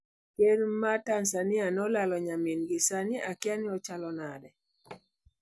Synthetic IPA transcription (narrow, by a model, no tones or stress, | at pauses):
kenmatansanɪanɔlalɔɲaminɡɪsanɪakɪanɪɔt͡ʃalɔnadɛ